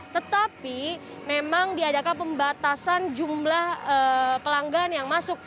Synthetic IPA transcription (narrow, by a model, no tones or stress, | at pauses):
t̪ət̪api | memaŋdiadakanpəmbat̪asand͡ʒumlahəpəlaŋɡaanjaŋmasʊk̚